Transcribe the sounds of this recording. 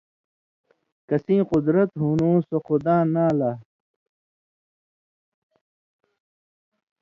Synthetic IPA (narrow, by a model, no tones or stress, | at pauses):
kɐsĩːqud̪ɾɐt̪ɦunũːsoxud̪ãːnaːlaː